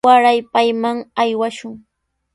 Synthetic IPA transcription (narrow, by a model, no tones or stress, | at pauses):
aɾajpajmaŋajwaʃʊŋ